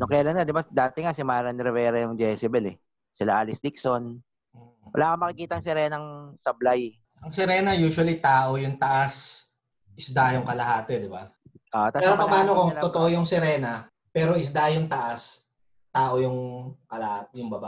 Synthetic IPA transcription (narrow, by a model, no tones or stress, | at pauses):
nokɐjalanŋad̪ɪbad̪aːt̪ɛŋasɪmaːɾɐnɾɛvɛːɾɐjʊŋd͡ʒɛːsɪbɛlɛ̰ | sɪlaʔaːlɪsd̪ɪkson̩ː | wɐ̰lʔaːkɐmɐkɪkiːt̪ɐːŋsɛɾɛːnɐŋsɐblaj | ɐŋsɛɾɛːnɐjuːʃʊwɐlit̪aːʔojʊŋt̪ɐʔas | ʔɪsd̪ajʊŋkɐlɐhaːt̪ɛd̪ɪba | ʔot̪apɛɾopɐpaːnokot̪ot̪oʔojʊŋsɪɾɛːnɐ | pɛːɾoɪs̬d̪ajʊŋt̪ɐʔas | t̪aːʔojʊŋkɐlɐhat̪jʊŋbɐba̰